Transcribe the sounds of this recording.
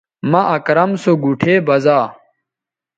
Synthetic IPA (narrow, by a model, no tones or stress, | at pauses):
mɐʔɐkɾɐmsoɡuʈʰeːbɐzaː